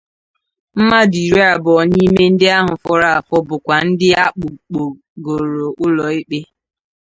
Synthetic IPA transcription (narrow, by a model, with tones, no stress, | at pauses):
m̩˦ma˦di˨ɾe˦a˨bɔ˨ɲi˦me˦n̩˦dɪ˦a˦ɦʊ˨fɔ˦ɾa˦˨fɔ˦bʊ˨kʷa˨n̩˦dɪ˦a˦k͡pʊ˨k͡po˨ | ɡo˨ɾo˨ʔʊ˦lɔ˨e˦k͡pe˦